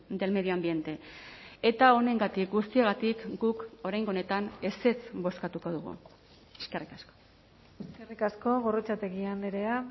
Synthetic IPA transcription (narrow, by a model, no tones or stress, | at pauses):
d̪e̞lme̞ðio̞ambie̞nt̪e̞ | e̞t̪ao̞ne̞ŋɡat̪ik̚ɡust̪iaɣat̪ikɡuko̞ɾajŋɡone̞t̪ane̞se̞t͡sbo̞skat̪uko̞ð̞uɣ̞ṵ | eske̞rikasko̥ | eskerikasko̞ɣo̞rot͡sat̪e̞ɣiand̪eɾea